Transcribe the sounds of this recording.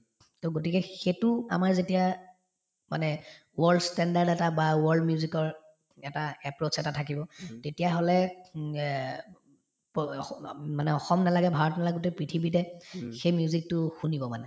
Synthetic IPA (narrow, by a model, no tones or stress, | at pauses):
toɡotikɛxetʊa̰maɹzetija | ma̰nɛ | wɔɹdstɛndaɹdɛtabawɔɹdmjuzikɔɹ | ɛtaɛpɹot͡ʃɛtatʰakibɔtetijaɦolɛ | p | manɛɔxɔmnalaɡɛbʱaɹɔtnalaɡotɛpɹitʰibitɛxejmijuzik̚tʊxunibɔmanɛ